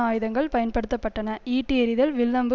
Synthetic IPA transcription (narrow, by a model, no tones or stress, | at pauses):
aːjɯðɐŋɡɐɭpɐjɐnpɐɽɯt̪ːɐpːɐʈːɐnɐiːʈːiɛɾɪðɐlʋɪlːɐmbɯ